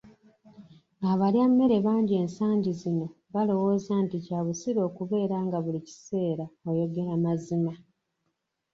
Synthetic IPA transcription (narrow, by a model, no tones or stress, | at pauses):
aβaljamːe̞ɾe̞βaːɲɟie̞ːnsaːɲɟizino̞ | βalo̞wo̞ːzanticaːβusiɾo̞ːkuβe̞ːɾaːŋɡaβulici̥se̞ːɾaojo̞ɡe̞ɾamazima